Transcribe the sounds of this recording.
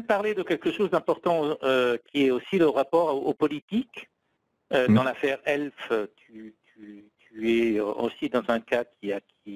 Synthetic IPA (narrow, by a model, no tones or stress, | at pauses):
paʁled̪əkʲɛlkəʃozd̪ɛ̃pɔʁt̪ɑ̃økʲiɛosiləʁapɔʁoopɔlit̪ik | ød̪ɑ̃lafɛʁɛlføt̪ʰyt̪ʰyt̪yɛøo̰sid̪ɑ̃zɛ̃kakʲiakʲi